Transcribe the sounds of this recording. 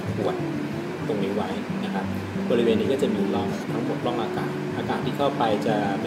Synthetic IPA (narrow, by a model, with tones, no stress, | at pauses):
pu˨˩ət̪̚ː | o˨˧˩ŋniː˦˥wa˦˥jna˦˥kʰa˦˥p̚ | bɔː˧ɾi˦weː˧nːiː˦˥kɔː˥˩t͡ɕa˨˩miː˧˦˥lɔ˥˩ŋt̪ʰa˦˥ŋmo˨˩t̪̚lɔː˥˩ŋʔaː˧kaː˨˩nʔaː˧kaː˨˩t̪t̪ʰiː˥˩kʰa˥˩wpa˧jt͡ɕa˨˩